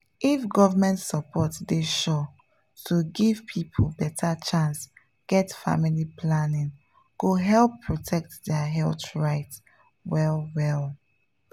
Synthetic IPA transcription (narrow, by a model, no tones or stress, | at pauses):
ifɡɔvəmɛ̃ntsəpʰɔtdeʃɔ | tʰuɡiv̥pʰipʰolbɛtʰat͡ʃãns | ɡ̥ɛtfa̰milipʰlanĩŋ | ɡ̥oɦɛlˠpʰːɹɔtʰɛk̚tdɛɦɛltɹaɪt | wɛlwɛl